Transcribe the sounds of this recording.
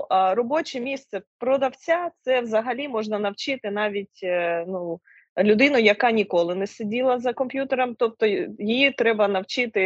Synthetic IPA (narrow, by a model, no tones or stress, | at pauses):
ʔrɔbɔt͡ʃɛmʲist̪sɛpɾɔd̪ɐwt͡sʲat̪sɛʋzɐɦɐlʲimɔʒnɐnɐwt͡ʃɪt̪ɪnɑʋʲitʲnu | lʲʊd̪ɪnʊjɐkɑnʲikɔlˠɪnɛsedʲilˠɐzɐkɔmʲpʲjut̪eɾɐmt̪ɔp̚t̪ɔjijit̪ɾɛbɐnɐwt͡ʃɪt̪ɪ